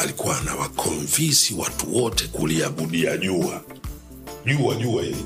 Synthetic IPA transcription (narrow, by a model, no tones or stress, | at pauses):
alikuwanawakʰɔɱvisiwa̰tuwɔtɛkuliaɓuɗiaʄua | ʄuaʄuaii